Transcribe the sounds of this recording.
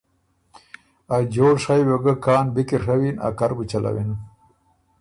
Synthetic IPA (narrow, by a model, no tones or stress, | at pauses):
ad͡ʒoːɽʂajwoɡəkaːnbikiʂawina̰kaɾbut͡ʃala̰winu